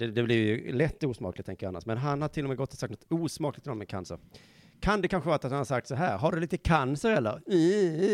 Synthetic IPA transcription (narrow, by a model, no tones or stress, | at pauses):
d̥̪ɛd̪ɛblɪɾjɵlɛt̪ːuːsmɑ̰ːklɪt̪ʰɛŋkəɾja̰nːa̰ʂmɛnɦanhaʈʰɪlːɔmɛːɡɔt̪ːɔsakt̪nɔt̪uːsmɑːklɪt̪ɪnɔmɛnkʰa̰nsə̰ɾ | kʰand̪ɛkʰanɧəvɑːɾt̪at̪hanhaɾsak̚t̪sɔɦæːɾɦaɖɵliːt̪əkʰansəɾɛlːə̰ɾ